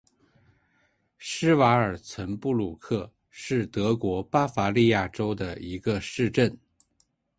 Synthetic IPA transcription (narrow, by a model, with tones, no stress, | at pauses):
ʂɻ̩˥wa˧˥ə˞˨˩t͡sʰwə˧˥npu˥˩lu˥˨˩kʰɤ˥˩ | ʂɻ̩˥˩t̪ɤ˧˥kwɔ˧˥pa˥fa˧˥li˥˧ja˥˩ʈ͡ʂo˥ʊd̪ə˨i˧˥ɡə˧ʂɻ̩˥˧ʈ͡ʂə˥˩n